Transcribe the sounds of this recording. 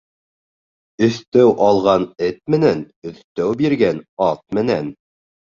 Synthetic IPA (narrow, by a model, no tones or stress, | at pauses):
ɵ̆θt̪æwʔɑlˠʁɑnɘt̪̚mɘ̆næn | ɵ̆θt̪æwbiɾɡænɑt̪̚mɘ̆næn